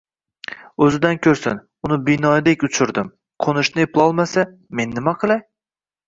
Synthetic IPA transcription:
ɵzɪd̪ankʲʰɵɾsɪ̰n | ʊnɪbɪnɒd̪ekʲʊt͡ʃʰʊɾd̪ɪm | qʰonʊʃnɪepʰlˠɒlˠmasa | me̞nːɪmaqʰɨlˠaj

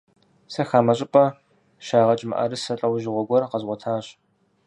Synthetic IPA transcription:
sɐxaːmɐɕʼɪpʼɐ | ʃaːʁɐt͡ʃʼmɐ̰ʔɐ̰ɾɨsɐɬʼɐwʒɪʁʷɔɡʷɔrqɐzʁʷɔtʰaːɕ

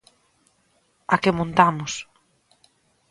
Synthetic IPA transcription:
akɪmõnt̪amʊs

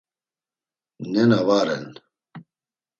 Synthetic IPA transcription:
nɛnavaːɾɛ̰n

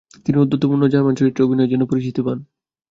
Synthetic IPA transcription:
t̪iniud̪ːot̪ːopuɾnod͡ʑaɾmant͡ɕoɾit̪ːɾeoobʱinoed͡ʑɛnːopoɾit͡ɕit̪opan

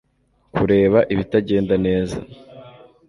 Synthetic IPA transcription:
kuɾe̞ːβaʔiβitaɟe̞ːndane̞ːza̰

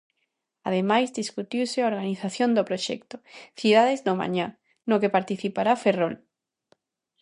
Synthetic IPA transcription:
aðemajzd̪iskut̪iwsɪaoɾɣaniθaθjond̪opɾoʃɛ̰kt̪oθið̞aðɪzðoma̰ɲa | nokepaɾt̪iθipaɾaferol

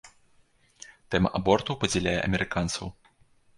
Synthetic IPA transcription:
t̪ɛmɐ̰ʔabɔrt̪ɐwpɐd͡zʲɛlʲajɛ̰ʔɐ̰mʲɛɾɨkant̪sɐw

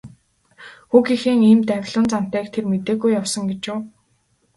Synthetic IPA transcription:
xuxixeːŋiːmt̪æwʲɮʊ̆nt͡san̥t̪æːkt̪ʰermet̪eːɣujːawsɞ̆ŋɡet͡ɕʊː

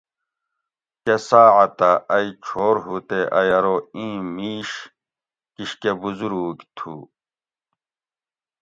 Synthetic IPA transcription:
kesaːʕɐt̪aɐit͡ɕʰoːɾɦut̪eʔɐjɐɾoĩːmiːɕ | kiɕkebuzuɾuːkt̪ʰṵ

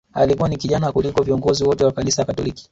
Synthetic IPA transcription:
alikuwanikiʄanakulikɔviɔŋɡɔziwɔtɛwakanisajakatɔliki̥

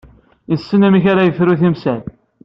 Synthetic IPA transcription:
isːənæmiçaɾajəfɾuθimsæl

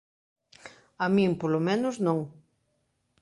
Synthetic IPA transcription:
amĩŋpolomẽnʊznõŋ

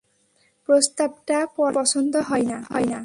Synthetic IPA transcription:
pɾost̪ab̚ʈapɔpɔsɔnd̪ʱɔɦɔjnaɦɔ̰jna

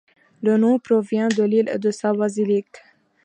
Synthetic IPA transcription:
lənɔ̃pɾɔvjɛ̃d̪əlilḛd̪əsabazilik

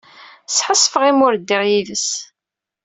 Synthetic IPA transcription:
sħəsˤːfəʁimʊɾd̪ːiʁjiðəs

